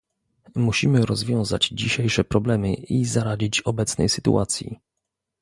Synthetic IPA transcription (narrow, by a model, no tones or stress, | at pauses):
muɕimɘɾɔzvʲjɔ̃w̃za̰d͡ʑiɕejʂɛpɾɔblɛmɘizaɾad͡ʑit͡ɕɔbɛt̪snɛ̰jsɘt̪ṵʔat̪sʲjḭ